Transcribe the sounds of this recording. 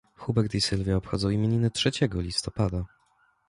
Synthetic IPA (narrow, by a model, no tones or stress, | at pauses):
xubɛɾt̪isɘlvʲjaɔpxɔ̰d̪zɔ̃w̃imʲjeɲinɘtʂɛt͡ɕɛɡɔlʲist̪ɔpad̪a